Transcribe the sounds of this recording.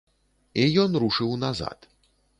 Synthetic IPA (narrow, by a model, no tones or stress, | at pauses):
ijɔnɾuʂɨwnaza̰t̪